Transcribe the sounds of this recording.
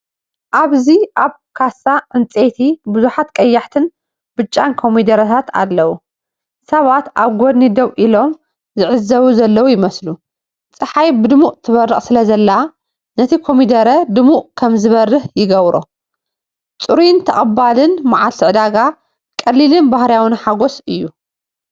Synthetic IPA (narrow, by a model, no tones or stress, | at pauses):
ʔaβziʔaβ | kʰasːaʕɨnt͡sʼet̪ʰibɨzuħat̪kʼɐjːaħt̪ʰɨn | b̥ɨt͡ʃʼːankʰo̞mid̪ɐɾɐt̪ʰat̪ʰa̰lːɐwu | sɐβat̪aβɡod̪nid̪ɐwʔilo̞m | zɨʕɨzːɐβuzɐlːɐwujɪmɐslu | t͡sʼɨħajbɨd̪ɨmuʔʼt̪ʰɨβɐrːɨχʼsɨlɐzɐlːɐa | nɐt̪ʰikʰomid̪ɐɾɐd̪ɨmuʔkʰɐmzɨβɐrːɨħjɪɡɐβɾo̰ | t͡sʼɨɾint̪ʰɐχʼɐbalɨnmaʕalt̪ʰɨʕɨd̪aɡa | kʼɐlːilɨnbahɾjawɨnħaɡosɨjːu